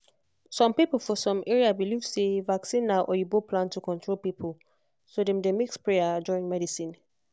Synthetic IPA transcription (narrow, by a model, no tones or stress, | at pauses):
sɔ̃mpipl̩ˠfɔsɔ̃mʔɛɹiabilivsevaksĩnːaʊʔɔjubopʰlãntʰukʰɔ̃ntʰɹolpipʰəlˠ | sodemdemikspʰɹejaduɹĩŋmɛdisĩn